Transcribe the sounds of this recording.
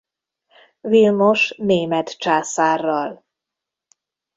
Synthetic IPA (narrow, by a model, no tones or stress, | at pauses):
vilmo̞ʃneːmɛt̪t͡ʃaːsaːrːɒl